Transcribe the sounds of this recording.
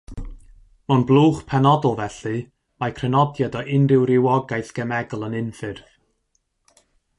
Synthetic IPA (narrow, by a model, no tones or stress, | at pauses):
mɔnblˠuːχpʰɛnɔdɔlˠvɛɬɨ | makʰrɛnɔdjadɔʔɪnrɪwrɪwɔɡajθɡ̥ɛmɛɡlˠənɪnfɨrv